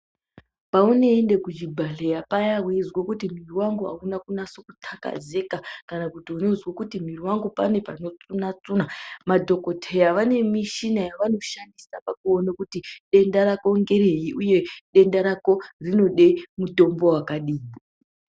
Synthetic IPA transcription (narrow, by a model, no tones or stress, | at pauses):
pauneːnde̞kud͡ʒibʱaɬejapajaɦwiizwokutim̤iriwaŋɡuɦa̰unakunasokutʰaka̰ze̞kakanakutiunezwokutim̤iriwaŋɡupane̞pano̞t͡sunat͡sunamadʱo̞ko̞tʰejaʋane̞miʃinajaʋano̞ʃandisapakuonakutiɗe̞ndaɾako̞ŋɡe̞ɾeɦiʔuje̞ɗe̞ndaɾako̞rino̞ɗemuto̞mbo̞wakaɗiːi